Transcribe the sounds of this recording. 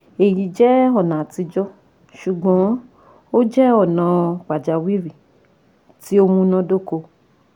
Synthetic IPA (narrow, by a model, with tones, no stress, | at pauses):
e˨ji˨˦d͡ʒɛ˦ɔ˦˨nã˨˦ti˧d͡ʒɔ˦ | ʃu˨ɡ͡bɔ̃˨˦ | o˦d͡ʒɛ˦ɔ˦˨nã˨˦k͡pa˨d͡ʒa˨wi˦ɾi˨ | ti˦o˧˦mũ˧nã˧do˦ko˧